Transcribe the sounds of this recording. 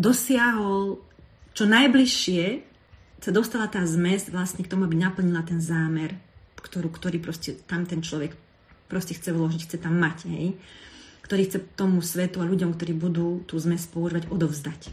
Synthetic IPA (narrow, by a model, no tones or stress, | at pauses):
d̪ɔsɪaɦɔl | t͡ʃɔnajbliʃːɪɛ | sad̪ɔst̪alat̪aːzmɛzʋlasɲɛkt̪ɔmuabinapl̩ɲilat̪ɛnzaːmɛɾkt̪ɔɾuːkt̪ɔɾiːpɾɔscɛt̪amt̪ɛnt͡ʃlɔʋɛk | pɾɔscɛxt͡sɛulɔʒicxt͡sɛt̪amːacɦɛ̰j | kt̪ɔɾiːxt͡sɛt̪ɔmusʋɛt̪uaʎuɟɔmkt̪ɔɾiːbud̪uːt̪uːzmɛzpɔuʒiʋaɟɔd̪ɔvzd̪ac